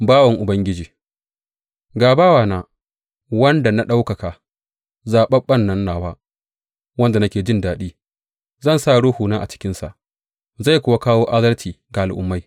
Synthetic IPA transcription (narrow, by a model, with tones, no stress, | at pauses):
baː˦wɐ˨ŋʔʊ˨bɐ˦ŋɡʲɪ˦d͡ʒiː˨ | ɡaː˨baː˦waː˨naː˨ | wɐ˦nda˨na˦ɗa˦wkɐ˨ka˨ | zaː˨ɓɐ˦ɓɐ˦˨nːɐ˦nːaː˨waː˦ | wɐ˦nda˨nɐ˦kʲeː˨d͡ʒɪ˦ndaː˨ɗiː˦ | zɐ˦˨nsa˦˨ɽʊ˦huː˨naː˦ʔa̰˨t͡ʃɪ̥˦kʲɪ˦nsa̰˨ʔ | za˦˨jkʷʊ˦wa˦kaː˦woː˦ʔa˦dɐ˦ltʰiː˨ɡa˨ʔa˨lʔʊ̰˦mːa˦j